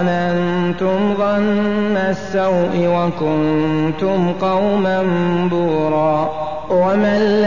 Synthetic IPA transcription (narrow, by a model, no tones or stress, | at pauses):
nant̪ʊmðˤɑnːasːawʔɪwakʊnt̪ʊmqɑwmanbuːɾˤɑː | wamalː